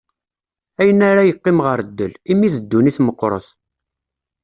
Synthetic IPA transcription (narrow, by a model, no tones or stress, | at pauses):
æjənæɾajəqːɪmʁəɾd̪ːəlimiðəd̪ːuniθməqːɾˤə̰θ